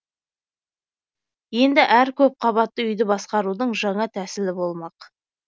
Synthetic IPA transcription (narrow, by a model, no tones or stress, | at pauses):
je̞nd̪ɪʔæɾkʲʰɵp̚qʰɑβɑt̪ːəʏjd̪ɪbɑsqɑɾud̪əɴʒɑɴɑt̪ʰæsɪlɪbo̞lˠmɑq